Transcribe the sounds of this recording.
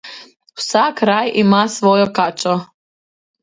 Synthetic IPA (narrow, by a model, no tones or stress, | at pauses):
usakɾajimasʋojokat͡ʃo